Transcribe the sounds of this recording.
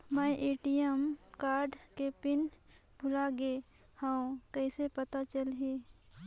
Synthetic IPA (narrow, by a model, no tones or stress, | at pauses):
mɛʔeːʈijəmkaːɾɖkepɪn | bʱʊlaɡehãõkɛɪsepət̪at͡ʃəlɦeː